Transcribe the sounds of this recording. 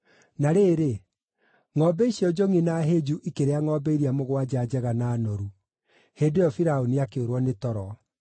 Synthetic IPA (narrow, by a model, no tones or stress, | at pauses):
naɾeːɾe | ŋɔbɛiɕiɔd͡ʒoŋinaɦeːd͡ʒuʔikeɾeaŋɔːbeiɾiamoɣwad͡ʑad͡ʑɛɣanaːnɔɾu | heːdojɔfiɾaoniakeoɾwɔnetɔɾɔ